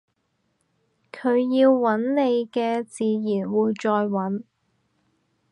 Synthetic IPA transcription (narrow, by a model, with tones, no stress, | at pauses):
kʰɵ˨˧ɥjiː˧wːɐ˨˥nne˨˧jkɛː˧t͡siː˨˧jiː˨˩nwuː˨˧jt͡ʃɔː˧jwɐ˨˥n